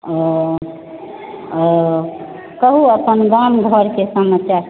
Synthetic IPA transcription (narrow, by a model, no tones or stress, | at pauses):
ɔ | kəɦuəpənɡamɡʱəɾkesəmət͡ʃa